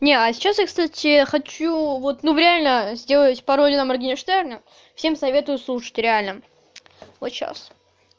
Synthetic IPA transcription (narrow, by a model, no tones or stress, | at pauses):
nʲeɐsʲɪ̥t͡ɕasjakst̪atʲɪxɐt͡ɕuvo̞t̪nuvɾʲɪalʲnəzʲdʲe̞lˠətʲpɐɾodʲɪnəmɐrɡʲinʲɪʂt̪ernʲə | fsʲe̞msɐvʲe̞t̪ʊjʊslˠuʂə̥tʲɾʲɪalʲnə | vot̪ɕa̰s